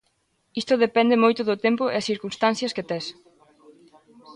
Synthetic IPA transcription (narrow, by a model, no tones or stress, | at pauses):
ist̪ʊðepɛnd̪ɪmojt̪ʊðʊt̪empʊḛɐsθiɾkunst̪anθjɐsket̪ɛs